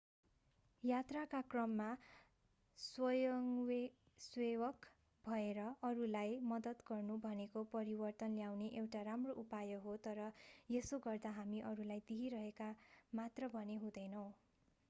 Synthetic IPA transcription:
jat̪rakakrʌmːa | swʌjʌŋwe | swewʌk | bʱʌeɾʌʔʌɾulajmʌd̪ʌt̪ɡʌrnubʱʌnekopʌɾibʌrt̪ʌnljawneʔewʈaɾamroʔupajʌɦot̪ʌɾʌjesoɡʌrd̪aɦamiʔʌɾulajd̪iɦiɾʌɦekamat̪rʌbʱʌneɦũd̪ʌjnʌw̃

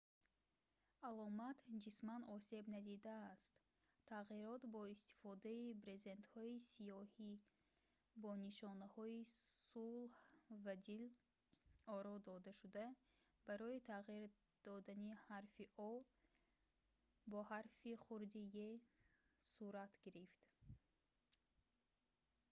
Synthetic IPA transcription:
alɔmat̪d͡ʒismanɔse̞bnad̪id̪aːst̪ | t̪ʰːaʁiɾɔt̪bɔist̪i̥fɔd̪aibɾe̞ze̞nt̪hɔisijɔhi | bɔniʃɔnahɔisulhvad̪il | ɔɾɔd̪ɔd̪aʃud̪a | baɾɔit̪ʰaʁiɾ | d̪̥ɔd̪anihaɾfiʔɔ | bɔhaɾfiχuɾd̪ije | suɾat̪ɡiɾift̪

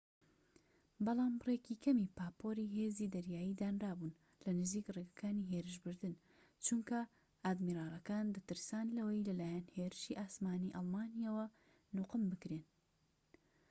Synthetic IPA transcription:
bɑlˠaːmrekikʰɐmipaːpoɾiɦeːziːd̪ɐɾjaːjid̪aːnraːbun | lɐnɨziːkreɡɐ̥kaːniɦeɾɨʃbɨɾd̪ɨn | t͡ʃuŋkɐ | aːd̪miɾaːlˠɐkaːnd̪ɐt̪ɨɾsaːnlɐwɐjlɐlaːjanheːɾɨʃiʔaːsmaːniʔɑlˠmaːnijawɐ | nʊqɨmbɨkɾeːn

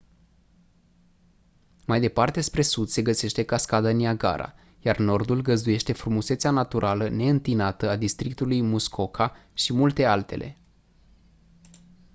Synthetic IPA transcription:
majd̪e̞part̪e̞spɾe̞sud̪̥se̞ɡəse̞ʃt̪e̞kaskad̪aniaɡa̰ɾa̰ | jarno̞rd̪ulɡəzd̪uje̞ʃt̪e̞fɾumuseseanat̪uɾʔaləne̞ɨnt̪inat̪əad̪ist̪ɾik̚t̪ulujmuskʰo̞kʰaʃimult̪e̞alt̪e̞̰lʔe̞̰

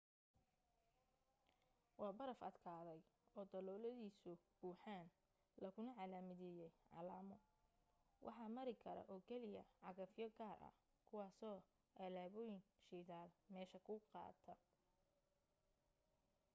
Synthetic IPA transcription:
wɑːbɐɾɐfɐd̪kʰaːðɛjɔːd̪ɐlɔːlɐðiːsʊb̥uːħaːn | lɐkʰʊnɐʕɑlaːmɪðɪjɛjʕɑ̰laːmɔ | wʔɑ̰ħɑːmɐɾɪkʰɐɾɐ̰ʔɔːkʰɛlɪjɐ̰ʕɑɣɐfjɔɡaːrʔɐ̰ | kʰʊwɑːsɔː | ʔɛlaːβɔːjɪŋʃiðaːlmɛːʃɐkʰʊqɑ̰ːt̪ʰɐ

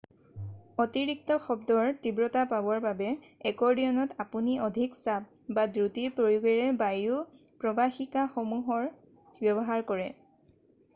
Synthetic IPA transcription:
ɔtiɹik̚tɔxɔbdɔɹtibɹɔtapabɔɹbabɛ | ɛkɔɹiɔnɔtapuniʔɔdʱiksap̚ | badɹutiɹpɹojuɡɛɹɛbaju | pɹɔbaxikaxɔmuɦɔɹ | bjɔbɔɦaɹkɔɹɛ

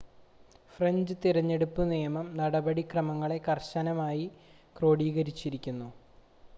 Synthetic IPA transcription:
frɐɲd͡ʑɨt̪iɾɐɲːe̞ɽupːɨnijɐmɐmnɐɽɐbɐɽikrɐmɐŋːɐɭe̞kɐrɕɐnɐmaːji | kro̞ːɽiːɣɐɾit͡ɕːiɾikʲːunːu

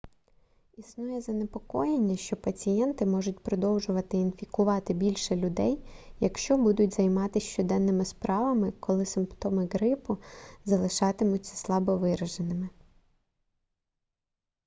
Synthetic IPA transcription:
isnujɛzɐnepɔkɔjenʲːɐʃt͡ʃɔpɐt͡sʲijɛnt̪ɪmɔʒʊt̚ʲpɾɔd̪ɔwʒʊʋɐt̪ɪinfʲikʊʋɑt̪ɪbʲilʲʃɛlʲʊd̪ɛjjɐkʃt͡ʃɔbud̪ʊtʲzɐjmɑt̪ɪʃt͡ʃɔd̪ɛnːɪmɪspɾɑʋɐmɪkɔlˠɪsɪmpt̪ɔmɪɡɾɪpʊzɐlˠɪʃɑt̪ɪmʊt͡sʲːɐ̥slˠɑbɔʋɪɾɐʒenɪmɪ

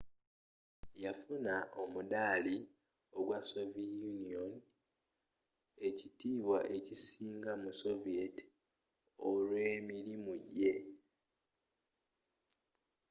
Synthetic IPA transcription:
jafunaʔo̞mudaːli | o̞ɡwaso̞viejunio̞n | e̞citiːβwaʔe̞cisiːŋɡamuso̞vieti̥ | olwe̞ːmiɾimuɟe̞

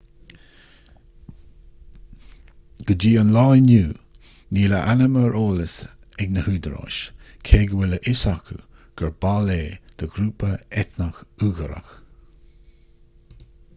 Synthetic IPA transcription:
ɡ̥əd͡ʒiːənlɑːjnuː | niːləʔanəməɹʔoːləs | ɛɡnəhuːd̪əɾɑ̰ːʃkʰeːɡəwɛləʔɪsakʰṵɡ̥əɹbaleːd̪̥əɡɾuːpəɛt̪nəxuːɣəɾə̰x

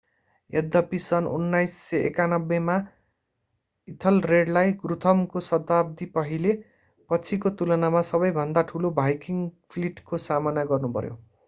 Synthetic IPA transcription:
ed̪ʌpisʌnṵnːajsːʌḛkanʌbːema | it̪ʰʌlreɖlajɡrut̪ʰʌmkosʌt̪abd̪ipʌɦile | pʌt͡sʰikot̪ulʌnamasʌbʌjbʱʌnd̪aʈʰulobʱajkiŋpʰliʈkosamanaɡʌrnupʌ̰ɾjo̰

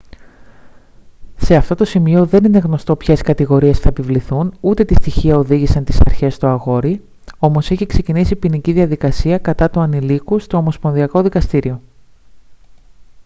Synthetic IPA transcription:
se̞ɐft̪o̞t̪o̞simio̞ðe̞nine̞ɣno̞st̪o̞pçeskɐt̪iɣo̞ɾie̞sθɐepivliθunut̪e̞t̪ist̪içiɐo̞ðiʝisɐnt̪isɐɾçe̞st̪oɐɣo̞ɾi | o̞mo̞seçikse̞cinisipiniciðiɐðikɐsiɐkɐt̪ɐt̪uɐnilikust̪o̞ːmo̞spo̞nðiɐko̞ðikɐst̪iɾio̞

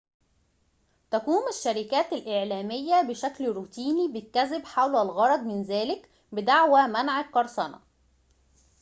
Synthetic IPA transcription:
t̪ækuːmɪʃːæɾɪkæːt̪ælʔeʕlæːmɪjːæbɪʃæklɾuːt̪iːnibɪkːæzɪbħawlælɣɑɾˤɑd̪ˤmɪnzæːlɪk | bɪd̪aʕwæmænʕakʔɑɾˤsˤɑnɑ̰

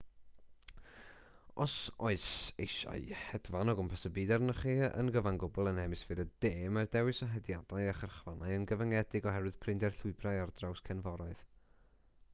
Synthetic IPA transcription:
ɔsoɨsejʃa̰ɨhɛdvanɔɡɔmpʰəsəbiːdɛrnəχiːə̰nɡəvanɡʊbɔlˠənɛmɨsfɨɾəd̥eːmardɛwɨsɔɦɛdjadaɨaχərχvanaɨənɡəvəŋɛdɪɡɔɦɛɾwɨð̥pʰrɪndɛrɬʊɨbrajardrawskʰɛnvɔɾaɨð

